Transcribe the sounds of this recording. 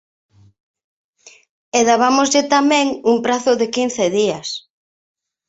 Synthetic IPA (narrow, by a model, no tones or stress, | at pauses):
eðaβamozʎɪt̪amɛ̃ŋuŋpɾaθʊðɪkin̟θeðiɐs